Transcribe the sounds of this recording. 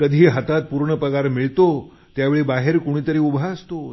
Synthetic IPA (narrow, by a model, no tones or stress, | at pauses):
kəd̪ʱiːɦat̪at̪̚puɾɳəpəɡaɾmiɭt̪o | t̪jaʋeɭiːbaɦeɾkoɽ̃iːt̪əɾiːubʱaəst̪o